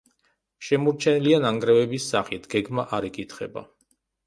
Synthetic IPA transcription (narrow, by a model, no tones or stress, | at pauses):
ʃɛmuɾt͡ʃʰɛnilianaŋɡɾɛvɛbisːaχit̪ʰɡ̥ɛɡmaʔaɾikʼit̪ʰχɛ̰ba̰